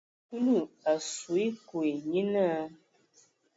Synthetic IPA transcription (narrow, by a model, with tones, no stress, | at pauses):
ku˦lu˦˨a˨su˨i˦ku˨e˨ɲi˦na˦